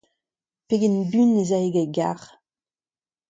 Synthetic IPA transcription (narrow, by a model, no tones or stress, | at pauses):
peɡɛnbynːezaeɡaɡa̰ʁ